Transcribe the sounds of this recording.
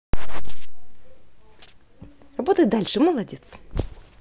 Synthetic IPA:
rɐbo̞t̪əjt̪̚d̪alʲʂɨməlˠɐdʲet̪s

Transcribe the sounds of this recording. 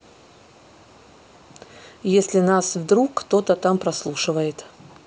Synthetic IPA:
jesʲlʲɪnasvd̪ɾukːt̪ot̪ət̪ampɾɐslˠuʂɨvəjɪt̪

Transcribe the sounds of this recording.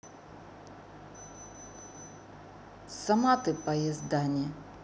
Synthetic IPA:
sɐmat̪ɨpɐjɪzd̪anʲɪ

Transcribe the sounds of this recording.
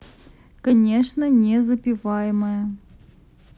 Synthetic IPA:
kɐnʲeʂnənʲezəpʲɪvajɪməjə

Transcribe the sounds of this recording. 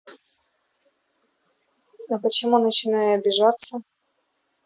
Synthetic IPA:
ɐpət͡ɕɪmunət͡ɕɪnajʊɐbʲɪʐat̪sːə

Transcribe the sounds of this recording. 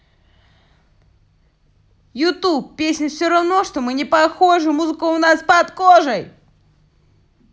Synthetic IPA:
jʊt̪uppːʲesʲnʲəfsʲoɾɐvno̞ʂt̪omɨnʲɪpɐxo̞ʐɨmuzɨkʊʊnaspɐt̪koʐəj

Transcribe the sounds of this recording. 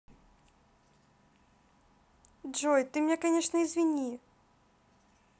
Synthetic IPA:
ʐɔjt̪ɨmʲnʲɛkanʲeʂnəizvʲinʲi

